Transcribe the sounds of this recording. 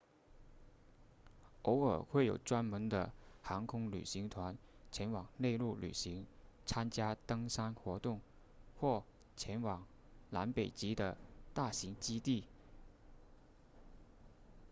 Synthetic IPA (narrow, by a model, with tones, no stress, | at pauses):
o˧˥ʊə̰˞˨˩xwe˥˩ɪjo˨˩ʊʈ͡ʂwa˥nmə˧˥nd̪ə̰˧xɑ˧˥ŋkʰʊ˥ŋly̰˨˩ɕi˧˥ŋt̪ʰwa˧˥nt͡ɕʰjɛ˧˥nwɑ˨˩ŋne˥˧ɪlu˥˩ly̰˨˩ɕi˧˥ŋt͡sʰa˥nt͡ɕja˥t̪ɤ˥ŋsa˥nxwɔ˧˥t̪ʊ˥˧ŋ | xwɔ˥˩ | t͡ɕʰjɛ˧˥nwɑ˨˩ŋ | la̰˧˥npe˨˩ɪt͡ɕi˧˥d̪ə˧t̪a˥˩ɕi˧˥ŋt͡ɕi˥t̪i˥˩